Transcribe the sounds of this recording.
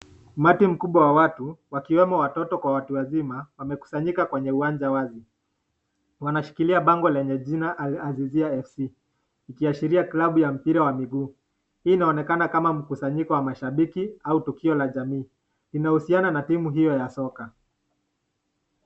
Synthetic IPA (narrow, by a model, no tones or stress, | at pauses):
umatim̩kuɓwawawatuwakiwɛmɔwatɔtɔkwawatuwazimawamɛku̥saɲikakwɛɲɛuwand͡ʒawazi | wanaʃi̥kiliaɓaŋɡɔlɛɲɛʄinaʔːziziaɛfsi | ikiaʃiɾiaklaɓujam̩piɾawamiɡuː | hiːnaɔnɛkanakamam̩kusaɲikɔwamaʃaɓikiautukiɔlaʄamiː | linahusiananatimuɦijɔjasɔka